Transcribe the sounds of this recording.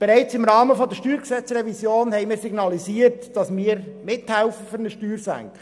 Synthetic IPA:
b̥ɛɾɛɪt͡sɪmɾɑːməfɔd̪əʃtyːɾksɛt͡srɛvisjoːnhɛɪmɪːɾsiɡnɑliziːəɾtd̥ɑsmiːəɾmɪthɛʊfəfʏɾnəʃtyːɾsæ̰ŋkə

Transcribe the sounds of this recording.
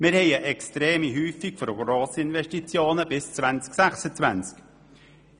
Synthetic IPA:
mɪɾhɛɪəʔɛkstɾeːmiɦyːfikfɔɾɡɾoːsɪnvɛʃtit͡sjoːnəb̥ɪst͡svant͡sksæxsət͡svænt͡sk

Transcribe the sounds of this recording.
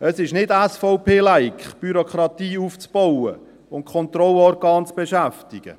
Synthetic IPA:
əsɪʃnɪdæsfɔʊpeːlæɪkb̥yɾokχɾɑt̪iːuft͡sb̥ɔwə̰ | ʊnt̚kʰɔnt̪ɾɔlɔɾɡɑːnt͡sb̥eʃæftɪɡ̥ə̰

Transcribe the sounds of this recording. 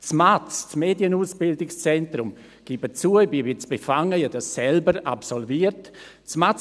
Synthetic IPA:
t͡smat͡st͡smeːdjənuːsb̥ɪldɪkst͡sɛntɾʊm | ɡ̥ibət͡suəbivit͡sb̥efaŋəjadasːɛlbəɾa̰psɔlviərt | t͡smat͡s

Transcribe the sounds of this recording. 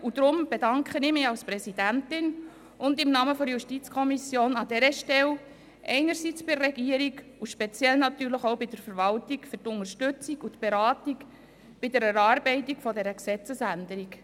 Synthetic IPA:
ud̪ɾʊmb̥edɑŋkχənɪmɪɑlspɾɛsid̥æntɪn | ʊndɪmnɑːməfɔɾjuʃtit͡skʰɔmisjoːnɑdɛɾəʃtɛl | ʔɛ̰ɪnəɾsit͡sb̥ɪrɛɡiːəɾik | uʃpɛt͡sjɛlnɑtyːɾləχoʊbɪd̥əɾfəɾvɑltikfʏɾtʊŋərʃtʉt͡sikutb̥eɾɑːtik | b̥ɪdəɾəɾɑːɾbɛɪtikfɔdɛɾəksɛt͡səsændəɾik

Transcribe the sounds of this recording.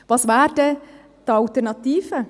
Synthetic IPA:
vɑsvɛːɾdɛ | d̪̥ɑlt̪ɛɾnɑt̪iːfə

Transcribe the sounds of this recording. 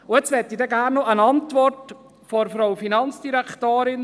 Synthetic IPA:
ʊɛt͡sʋɛtːidɛɡæːɾnːoʔənɑntvɔrt | fɔɾfɾaʊfinɑnt͡sd̥iɾɛktoːɾɪn

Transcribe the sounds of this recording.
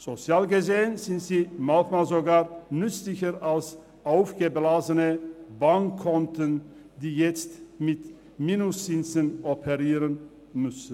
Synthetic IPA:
z̥ot͡sjaːlɡəzeːənz̥ɪntz̥iːmatmaːlzoɡaːɐnʏt͡slɪçəʁʔals | ʔaʊfɡ̥əblaːzənəbaŋkʰːɔntən | diːjɛt͡stmɪt | miːnʊst͡sɪnt͡sənʔɔpʰəʁiːʁən | mʏsən̩

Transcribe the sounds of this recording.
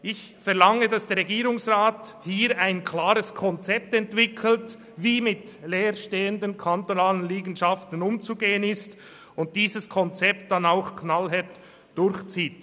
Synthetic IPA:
ʔɪç | fɛɐlaŋədɑsd̥ɛːʁɛɡiːɾʊŋsʁaːthiːɾaɪnkʰlaːɾəskʰɔnt͡sɛp̚tɛntv̥ɪkʰl̩t | viːmɪt | leːɾʃteːəndənkʰantonaːlənliːɡn̩ʃaftən̩ʊmt͡suɡeːənɪst | ʊnt̚d̥iːzəskʰɔnt͡sɛp̚td̥anaʊxkʰnalɦɛt | d̥ʊɾçt͡siːt

